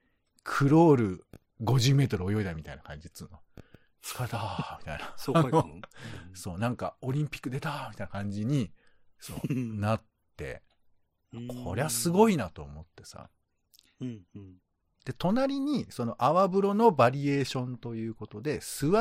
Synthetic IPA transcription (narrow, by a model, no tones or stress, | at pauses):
kʰɯ̟ɾo̞ːɾɯ̟ | ɡo̞ʑɨːme̞ːt̪o̞ɾɯ̟o̞jo̞id̪amʲit̪aijnakã̰ɲ̟d͡ʑit͡sɨnːo | t͡skat̪amʲi̥t̪a̰ijnao | so̞ːnãŋkao̞ɾʲĩmpʲi̥kːɯ̟d̪e̞t̪amʲit̪ainakãɲ̟d͡ʑiɲ̟i | so̞̰ːnat̪ːe̞̰ | makʰo̞ɾe̞βasɨɡo̞inat̪o̞ːmo̞t̪ːe̞sa̰ | d̪̥e̞t̪o̞naɾʲiɲ̟iso̞no̞ʔaβabɯ̟ɾo̞no̞baɾʲie̞ːɕõ̞nt̪o̞jɯ̟ːko̞t̪o̞d̪e̞sɨβa